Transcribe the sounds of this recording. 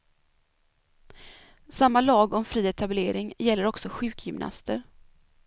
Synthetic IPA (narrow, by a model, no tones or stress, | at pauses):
samːalɑːɡɔmfɾiːɛt̪ʰableːɾɪŋjɛlːəɾɔksɔɧʉ̟ːkjʏmnʔa̰st̪əɾ